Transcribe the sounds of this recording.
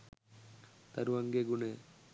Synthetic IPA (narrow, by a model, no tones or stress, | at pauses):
t̪aɾuaŋɡeɡune